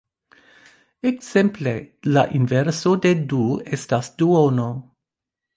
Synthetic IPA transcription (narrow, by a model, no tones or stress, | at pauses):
eksemple̞la̰ʔinveɾso̞de̞duestasduono